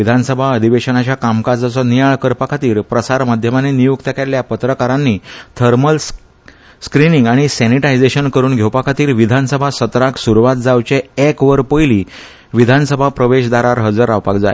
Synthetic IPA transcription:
id̪ʱansəbʱaəd̪ʱiʋeɕənat͡ɕjakamkad͡zat͡sɔnijaɭkəɾpakʰat̪iːɾpɾəsaɾmad̪ʱjəmanenijuɡt̪ʰəkaljapət̪ɾəkaɾanːiːt̪ʰəɾməl | skɾiniŋɡaɽ̃isɛniʈajd͡zeɕənkəɾuːnɡʱjewpakʰat̪iːɾʋid̪ʱansəbʱasət̪ɾaksuɾuʋat̪̚d͡zawt͡ɕeekʋəɾpəjliː | ʋid̪ʱansəbʱapɾəʋeɕd̪aɾaɾɦəd͡zəɾawpakd͡za̰e

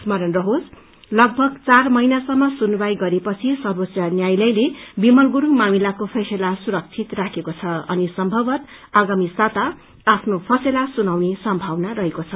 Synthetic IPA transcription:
smʌɾʌnrʌɦod͡z | lʌɡ̚bʱʌɡt͡sarmʌijnasʌmːʌsunubajɡʌɾepʌt͡sʰisʌrbot͡sjanjajlʌjlebimʌlɡuɾumamilakopʰʌselasuɾʌk̚t͡sʰit̪rakʰekot͡sʰʌʌnisʌmbʱʌbʌt̪ | aɡamisat̪aː | pʰnopʰʌselasunawnesʌmbʱawnarʌɦekot͡sʰʌ

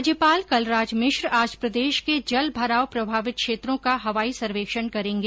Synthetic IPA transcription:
d͡ʒjəpaːlkɐlɾaːd͡ʒmɪʃɾaːd͡ʒpɾəd̪eːʃked͡ʒɐlbʱɐɾaːwpɾɐbʱaːʋɪt̪̚kʃeːt̪ɾõkaɦɐʋaːisɐɾʋeːkʃənkɐɾẽːŋɡeː

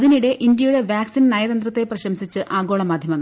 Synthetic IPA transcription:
ɐðiniɽe̞ʔind̪jɐjuɽe̞ʋjaːksinnaːjɐðɐnd̪rɐt̪ːe̞prɐɕɐmsit͡ɕːɨʔaːɡo̞ːɭɐmaːd̪ʱjɐmɐŋːɐ

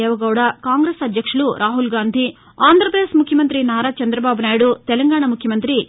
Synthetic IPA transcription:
eːʋɐɡɐwɽɐkaːŋɡɾesɐd̪ʱjɐkʂuɭuɾʔaːɦulɡaːnd̪ʱi | aːnd̪ɐɾpɾed̪esmukʰjɐmɐnt̪ɾinaːɾaːt͡ʃɐnd̪ɾɐbaːbunaːjɽut̪ɛlɐŋɡaːɳɐmukʰjɐmɐnt̪ɾi

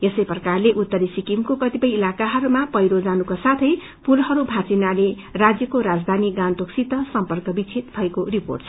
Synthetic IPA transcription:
esʌjprʌkarleʔut̪ːʌɾisikimkokʌt̪ipʌjilakaɦʌɾumapʌjɾod͡zanukasat̪ʰʌj | puɾhʌɾubʱat͡sinale | rad͡zjʌkoɾad͡zd̪ʱaniɡant̪oksit̪ʌsʌmpʌrkʌbit͡sʰit̪bʱʌekoripo̰rʈsʰ

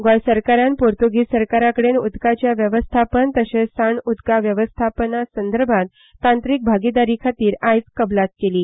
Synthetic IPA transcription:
ɡajsəɾkaɾjanpoɾt̪uɡiːsəɾkaɾakəɽenud̪kat͡ɕjaʋjəʋəst̪ʰapənt̪əɕesaɳud̪kaʋjəʋəst̪ʰapənasənd̪əɾbʱãt̪ː | ãnt̪ɾik̚bʱaɡid̪aɾiːkʰat̪iːɾajt͡skəblat̪keliː

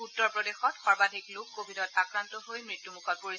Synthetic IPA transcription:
utːɔɹpɹɔdexɔtxɔɹbadʱiklokːobʱidɔtakɹantɔɦojmɹitːumukɔt̚poɹi

